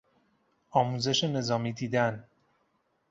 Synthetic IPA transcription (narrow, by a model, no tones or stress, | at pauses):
ɒːmuːze̞ʃene̞zɒːmiːd̪iːd̪æn